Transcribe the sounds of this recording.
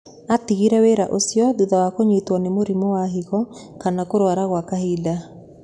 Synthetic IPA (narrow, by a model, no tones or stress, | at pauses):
atiɣiɾɛweɾaʔosjɔðuðawakoɲitwɔnemoɾimɔwaɦiɣɔkanakoɾwaɾaɣwakahida